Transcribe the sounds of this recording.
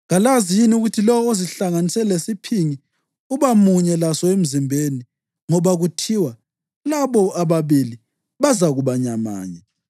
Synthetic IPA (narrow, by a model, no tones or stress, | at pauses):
ɣalazijiniuɣutʰilɔoziɬaŋanisɛlesipʰiŋi | uβamuɲɛlasɔem̩zimbʱeni | ŋɔβaɣutʰiwa | laβɔaβaβili | βazaɣuβaɲama̰ːɲɛ